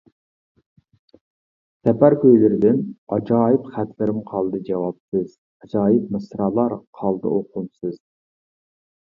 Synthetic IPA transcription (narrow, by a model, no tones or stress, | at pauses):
sɛpæɾkʲʰøjlɪɾɪd̪ɪnɑd͡ʒɑːjipχæt̪ʰlɪɾɪmqʰɑlˠd̪ɨd͡ʒɛwɑpsɨz̥ | ɑd͡ʒɑːjip̚mɨsɾɑːlˠɑɾqʰɑlˠd̪ɨ̰ʔoqʰʊmsɨz̥